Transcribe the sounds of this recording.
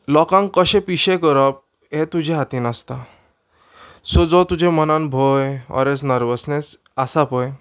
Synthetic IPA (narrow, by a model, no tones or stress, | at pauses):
lɔkãŋkəɕẽpiɕekəɾɔp̚ | ɦet̪ud͡ʑʱeɦat̪iːnast̪a | sod͡zɔt̪ud͡ʑʱẽmənanbʱojɔ̰ɾesnəɾʋəsnes | asapɔj